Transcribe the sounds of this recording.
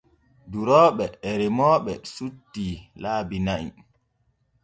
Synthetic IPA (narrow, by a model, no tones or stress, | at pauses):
duɾɔːɓɛːɾimɔːɓɛsutːilaːbinaʔḭ